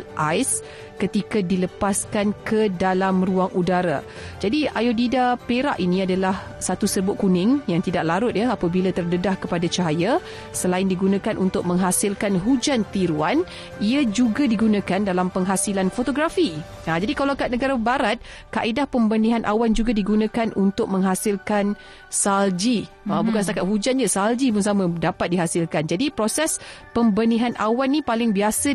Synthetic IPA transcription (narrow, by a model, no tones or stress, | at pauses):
ʔajs | kət̪ikadiləpaskankʰədalamruaŋʔudaɾa̰ | d͡ʒadiʔajodidapeɾa̰ʔinĩadalah | sat̪usəbʊʔ̪̚kunɪŋjaŋt̪idaʔ̚laɾʊt̪̚jaapabilat̪ərdədahkəpadat͡ʃaɦaja | səlaɪndiɡunãkanʔunt̪ʊk̚mə̃ŋɦasɪlkanɦud͡ʒant̪iɾuan | iad͡ʒuɡadiɡunãkandalampəŋɦasilanfot̪oɡɾafi | ad͡ʒadikalawakat̪̚nəɡaɾabaɾat̪̚kaʔidahpəmbənĩɦanʔa̰wand͡ʒuɡadiɡunãkanunt̪ʊk̚mə̃ŋɦasɪlkan | sald͡ʒi | abukansət̪akat̪̚hud͡ʒanɲasald͡ʒibəŋsamə̃dapat̪̚diɦasɪlkand͡ʒadipɾosɛspəmbənĩɦanʔa̰wanːĩpalɪŋbiasə